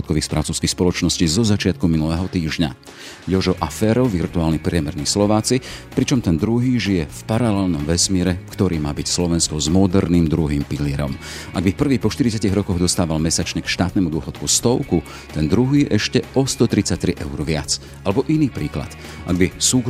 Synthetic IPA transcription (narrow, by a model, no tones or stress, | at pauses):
ɔt̪kɔʋiːxspɾʔat͡suʊskixspɔlɔt͡ʃnɔscizɔzat͡ʃɪat̪̚kuminulɛːɦɔt̪iːʒɲa̰ | jɔʒɔʔafɛːɾɔʊʋirt̪uaːlnipɾɪɛmɛɾnislɔʋaːt͡sipɾit͡ʃɔmt̪ɛnd̪ɾuɦiːʒijɛfpaɾalɛlnɔmʋɛsmiɪɛɾɛkt̪ɔɾiːmaːbicslɔʋɛnskɔzmɔd̪ɛɾniːmd̪ɾuɦiːmpilɪɛɾɔ̰mʔaɡbifpr̩ʋiːxpɔʃt̪iɾit͡saciɣɾɔkɔɣd̪ɔst̪aːʋalmɛsat͡ʃɲɛkʃt̪aːt̪nɛmud̪ʊɔxɔt̪kust̪ɔʊku | t̪ɛnd̪ɾuɦiːʔɛʃcɛʔɔst̪ɔt̪ɾit͡sac̚t̪ɾiʔɛʊɾʋɪat͡s | alɛbɔʔiniːpɾiːkla̰t̪ | ʔa̰ɡ̚bisuː